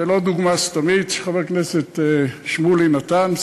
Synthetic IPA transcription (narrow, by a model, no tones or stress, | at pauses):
elod̪uɡmast̪omit̪ʃe̥χaveʁkneset̪eʃmulinat̪an